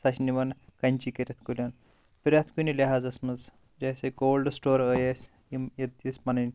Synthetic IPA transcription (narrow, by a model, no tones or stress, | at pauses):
sɐʃniʋɐnkɐnʲt͡ʃikɐɾʲɐt̪ʰkulʲɐn | piɾʲɐt̪ʰkunilʲeɦazɐsmɐz | d͡ʒɐjseɡoːlɖsʈoːɾəjesʲ | imjɐd̪ismɐnɐnʲ